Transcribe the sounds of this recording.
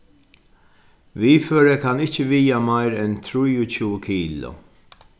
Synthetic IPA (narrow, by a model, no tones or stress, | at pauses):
viːjfɔɾɛkɐnɪt͡ʃːvijɐmɐjɾɛnt̪ɾʊjʊt͡ʃuːkiːlɔ̰